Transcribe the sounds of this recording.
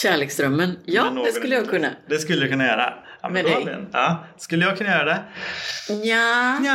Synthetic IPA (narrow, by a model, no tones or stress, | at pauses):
ɕæːɭeːksd̪ɾœmːənjɑːnod̪ɛsɵlːəjɑɡkʰɵnːa̰d̪ɛskɵlːəjakʰɵnːajœːɾa̰ | a̰mmɛːd̪ɛjə̰nɑːskɵlːəjɑɡkʰɵnːajœːɾad̪ɛ | ja